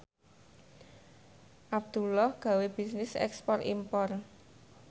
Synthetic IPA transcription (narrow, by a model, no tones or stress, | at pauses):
ʔab̚d̪̥ulɔhɡ̥a̤web̥i̤snɪsɛ̰kspɔrḭmpɔr